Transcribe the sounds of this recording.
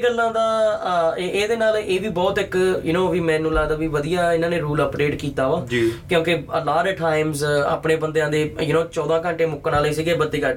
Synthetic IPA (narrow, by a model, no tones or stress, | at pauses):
ɡəlːãːd̪aː | eːd̪eːnaːleːʋiːbɔːt̪ɪkjənõːʋiːmɛ̃ːnũːlaːd̪aːʋiːʋəd̪ijaːɪnãːneːɾuːləpɖeːʈkiːt̪aːʋaːd͡ʒkjõːkeəlaːɾɛʈʰaːɪmza̰ːpneːbənd̪eãːd̪eːjənõːt͡ʃɔːd̪ãːkə̃ɳʈeːmʊkːnãːliːsiːɡeːbəd̪ːeːkə